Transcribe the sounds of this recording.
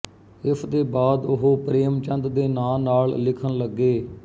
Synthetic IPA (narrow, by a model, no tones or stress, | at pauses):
ɪpʰd̪eːbaːd̪ʊɦoːpɾeːmt͡ʃənd̪d̪eːnaːnaːllɪkʰənləɡːeː